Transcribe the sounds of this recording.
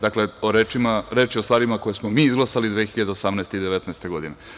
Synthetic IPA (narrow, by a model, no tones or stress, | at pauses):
d̪akle̞oɾeːt͡ʃimaɾeːt͡ʃjeo̞st̪ʋaːɾimako̞jesmomiːizɡlˠasalid̪ʋexiʎad̪eosamnɛest̪eid̪eʋet̪nɛest̪e̞ɡo̞d̪ine